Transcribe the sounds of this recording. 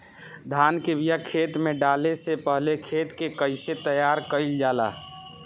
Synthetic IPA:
d̪ʱaːnkebijakʰeːt̪mẽɖaːlesepəɦlekʰeːt̪kekəɪset̪əjaːɾkəɪld͡ʒaːla̰ː

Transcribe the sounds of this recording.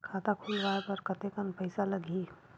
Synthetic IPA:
kʰaːt̪akʰulʋaːepəɾkɐt̪ekənpəɪsalɐɡʱi

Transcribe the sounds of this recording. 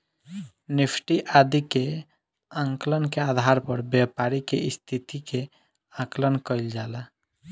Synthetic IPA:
nipʰʈiʔad̪ike | ãŋklənkead̪ʱaɾpəɾbjapaɾikḛist̪ʰit̪ike | ãklənkəɪld͡ʒala

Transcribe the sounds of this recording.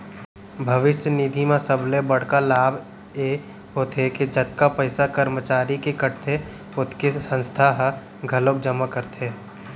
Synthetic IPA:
bʱɐʋɪʃjənid̪ʱimẽsəblebɐɽ̤kalaːbʱ | je | ɦoːt̪eked͡ʒɐt̪kapəɪsakəɾmət͡ʃaːɾikekəʈt̪ʰe | ʊt̪ʰkesə̃nst̪ʰaɦ | ɡʱɐlok̚d͡ʒəmakəɾt̪ɦeː

